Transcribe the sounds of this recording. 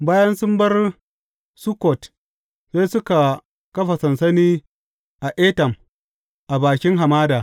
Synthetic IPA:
baː˦jɐ˦nsʊ˦mbɐ˦r | su˦kɔ˨t | seː˦sʊ˦ka˨ | kɐ˦ɸa˨sɐ˨nsɐ˦niː˦ | ʔa˨ʔeː˦tɐ˨m | ʔa˨baː˨kʲɪ˦ŋɦa˨maː˦daː˨

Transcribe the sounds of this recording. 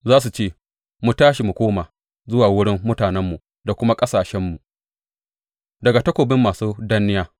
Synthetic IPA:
zaː˦s̬u˨t͡ʃeː˦˨ | mu˨taː˦ʃi˨mu˨kʷoː˦maː˨ | zʊ˦waː˨wʊ˦ɽɪ˦mːʊ˦taː˨nɛ˦mːu˨ | da˨kʷʊ˦ma˦kʼɐ˦saː˨ʃɛ˦mːu˨ | dɐ˨ɡa˨tɐ˦kʷoː˨bɪ˦mːaː˨suː˦da˦nɪ˦jaː˦

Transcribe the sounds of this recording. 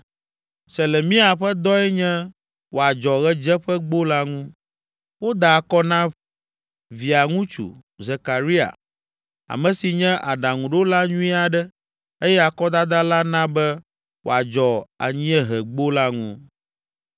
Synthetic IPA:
se˨le˨mĩ˦a˨ɸɛ˦d̪ɔ˦ɛ˦ɲɛ̃˦ | wo˨a˨d͡ʒɔ˨ɣɛ˦d͡ʒɛ˦ɸɛ˦ɡ͡bo˦la˦ŋũ˦ | wo˦d̪a˨a˨kɔ˦nã˦ | vi˨a˨ŋũ˦t͡ʃṵ˨ | ze˨ka˨ɾi˦a̰˨ | a̰˨mɛ̃˨˦si˨ɲɛ̃˦ʔa˨ɖa˨ŋũ˨ɖo˦la˦ɲũ˦i˦a˨ɖɛ˦ | e˦jɛ˦a˨kɔ˦d̪a˦d̪a˦la˦nã˦bɛ˦ | wʔo̰˨a˨d͡ʒɔ˨a̰˨ɲĩ˦ɛ˦ɦɛ˨ɡ͡bo˦la˦ŋṵ̃˦

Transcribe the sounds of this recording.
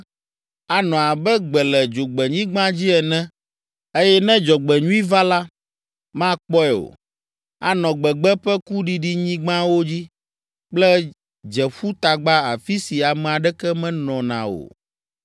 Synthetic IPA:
a˨nɔ̃˨a˨bɛ˦ɡ͡bɛ˨lɛ˨d͡ʒo˨ɡ͡bɛ˨ɲĩ˦ɡ͡bã˦d͡ʑi˦ɛ˨nɛ̃˦ | e˦jɛ˦nɛ̃˦d͡ʒɔ˨ɡ͡bɛ˨ɲũ˦i˦va˦la˦ | mã˦k͡pɔ˦ɛ˨o̰˨ | a̰˨nɔ̃˨ɡ͡bɛ˨ɡ͡bɛ˦ɸɛ˦ku˦ɖi˨ɖi˦ɲĩ˦ɡ͡bã˦wo˦d͡ʑi˦ | k͡plɛ˦ | d͡ʒɛ˨ɸu˦t̪a˨ɡ͡ba˦a˨fi˦si˨a˨mɛ̃˨a˨ɖɛ˦kɛ˦mɛ̃˦nɔ̃˨nã̰˨o̰˨

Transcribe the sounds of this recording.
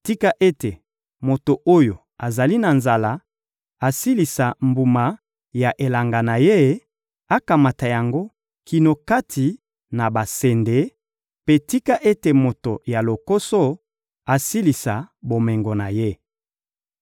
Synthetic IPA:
ti˦ka˦ʔe˦te˨ | mo˨to˨ʔo˦jo˨ | a˨za˨li˦na˨nza˨la˦ | a˨si˦li˨sa˨mbu˨ma˨ | ja˨ʔe˨la˨ŋɡa˨na˨je˦ | a˦ka˨ma˨ta˨ja˨ŋɡo˦ | kʰi˨no˨ka˦tʰi˨ | na˨ba˨se˨nde˨˦ | pe˦ti˦ka˦ʔe˦te˨mo˨to˨ja˨lo˨ko˦so˦ | a˨si˦li˨sa˨bo˨me˨ŋɡo˨na˨je˦

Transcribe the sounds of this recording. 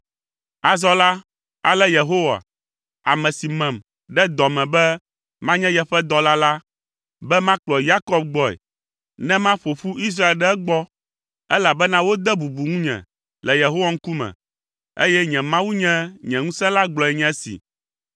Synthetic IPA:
a˨zɔ˦la˦ | a˨lɛ˦je˨ɦo˦wa̰˨ | a˨mɛ̃˨si˨mɛ̃˨m | ɖɛ˦d̪ɔ˨mɛ̃˨bɛ˦ | mã˦ɲɛ̃˦jɛ˦ɸɛ˦d̪ɔ˦la˦la˦ | bɛ˦mã˦k͡plɔ˨ja˦kɔ˦b̚ɡ͡bɔ˦ɛ̰˨ | nɛ̃˦mã˦ɸo˨fu˦ʔi˦s̬ɾa˦e˨lɖɛ˦ɛ˦ɡ͡bɔ˦ | ɛ˦la˨bɛ˦nã˦wo˦d̪ɛ˦bu˨bu˨ŋũ˦ɲɛ̰̃˨ | lɛ˨je˨ɦo˦wa˦ŋ̩˦ku˦mɛ̰̃˨ | ḛ˦jɛ˦ɲɛ̃˨mã˦wu˦ɲɛ̃˦ɲɛ̃˨ŋũ˦sɛ̃˦la˦ɡ͡blɔ˨ɛ˨ɲɛ̃˦sḭ˨

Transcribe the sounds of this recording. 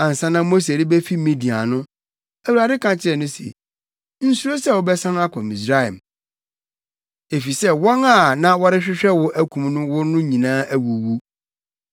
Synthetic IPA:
ã˨n̩˨sã˦nã˦mo˦s̬e˨ɾi˦bɛ˦fi˦mĩ˨di˨a̰˨nʊ̃˦ | æ˨wu˨a˨dɪ˦kʰã˨t͡ɕʰɪ˦ɛ˨nʊ̃˦sḛ˨ | n̩˦su˦ɾo˦sɛ˦˨wʊ˦bɛ˦sã˦na˦kʷʰɔ̃˨mĩ˨s̬ɾa˦ɛ̰˨m | e˨fi˨sɛ˦wɔ̃˦na˦˨nã˦wɔ˦ɾɪ˦ɕᶣɪ˦ɕᶣɛ˦wʊ˦ʔæ˦kʷʰũ˨mnʊ̃˦wʊ˦nʊ̃˦ɲĩ˨nãː˦ʔæ˦wu˨wu˦

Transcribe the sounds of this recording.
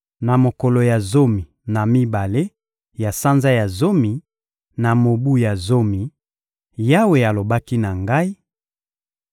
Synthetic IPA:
na˨mo˨ko˨lo˨ja˨zo˦mi˨ | na˨mi˦ba˨le˦ | ja˨sa˦nza˦ja˨zo˦mi˨ | na˨mo˨bu˦ja˨zo˦mi˨ | ja˦we˨a˨lo˨ba˦ki˦na˨ŋɡa˦i˦

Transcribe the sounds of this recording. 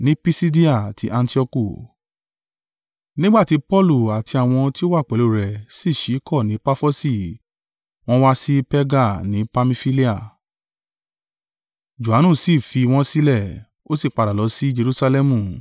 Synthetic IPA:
nĩ˦pi˦si˦di˦a˦˨a˨tʰi˨˧˦ʔã˧nti˦ɔ˧ku˦˨ | nĩ˦ɡ͡ba˦˨ti˨˦pɔ˦lu˦˨a˨tʰi˧a˨w̃ɔ̃˧ti˦o˦wa˦˨k͡pɛ˨lo˦˨ɾɛ˨si˦˨ʃi˨˦kɔ˦˨nĩ˨˦pa˦fo˦si˦˨ | w̃ɔ̃˦wa˦si˦pɛ˦ɡa˦˨nĩ˨˦pa˧mĩ˧fi˦li˦a˦˨ | d͡ʒu˨a˨˦nũ˦˨si˦˨fi˧w̃ɔ̃˧si˦lɛ˦˨ | o˦si˦˨k͡pa˨ɾa˨lɔ˨˦si˦d͡ʒe˧ɾu˦sa˧lɛ˦mũ˦˨

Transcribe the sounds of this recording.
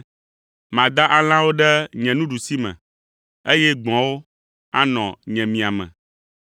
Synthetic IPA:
mã˨d̪a˦ʔa˦l̃ã˦wo˦ɖɛ˦ɲɛ̃˨nũ˦ɖu˨si˦mɛ̰̃˨ | e˦jɛ˦ɡ͡bɔ̃˨wo˦ | a̰˦nɔ̃˨ɲɛ̃˨mĩ˨a˨mɛ̰̃˨

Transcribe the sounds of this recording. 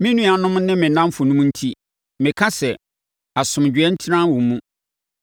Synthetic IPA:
mɪ̃˦nũ˦a˨nʊ̃˦mnɪ̃˦mɪ̃˨nã˦m˦fʊ˨nũ˦m˦n̩˦tʰi˦ | mɪ̃˨kʰa˦sɛ˨ | a˨sʊ̃˨md͡ʑᶣɥɛ˦n̩˦tʰɪ˦nã˦wɔ̃˨m˦mũ˦

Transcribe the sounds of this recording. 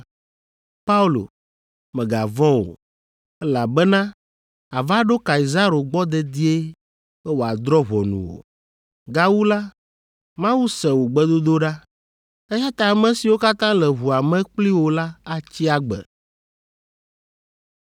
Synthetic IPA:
pa˦u˦lo̰˨ | mɛ̃˨ɡa˨vɔ̃˦wo̰˨ | ɛ˦la˨bɛ˦nã˦ | a˨va˦ɖo˦ka˨i˨za˦ɾo˨ɡ͡bɔ˦d̪ɛ˦d̪i˦e˦ | ɛ˦wo˨a˨d̪ɾɔ˦ɦɔ˨nṵ̃˨wo̰˨ | ɡa˦wu˦la˦ | mã˦wu˦sɛ˨wo˨ɡ͡bɛ˦d̪o˦d̪o˦ɖa˦ | e˦ja˦t̪a˨mɛ̃˨si˨wo˦ka˦t̪ã˦lɛ˨ɦu˨a˨mɛ̃˦k͡pli˦wo˨la˦a˨t͡ɕi˦a˨ɡ͡bɛ̰˨

